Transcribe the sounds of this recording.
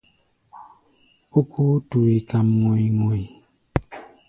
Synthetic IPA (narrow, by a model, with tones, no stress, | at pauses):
o˦kʰu˦tu˨ɾi˨ka˨mŋo˨i˨ŋo˨i˨